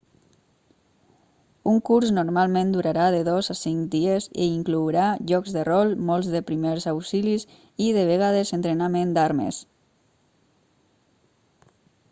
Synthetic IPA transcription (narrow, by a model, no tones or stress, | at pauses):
uŋkuɾznoɾmalˠmẽnd̪uɾaɾaðeðɔzasiŋkd̪iezḭiŋkluwɾaʒɔkzðərɔlˠmɔlˠzðəpɾimeɾzawsilis | iðeβ̞eɣað̞ezent̪ɾenamend̪aɾmə̰s